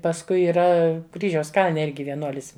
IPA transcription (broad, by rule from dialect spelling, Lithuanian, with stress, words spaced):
pɐsˈkʊɪ iːˈrɐ ˈkrʲiːʒʲɛʊs ˈkɐlʲnʲɛ ˈɪrʲɡʲɪ ʋʲiɛˈnuɔlʲɪs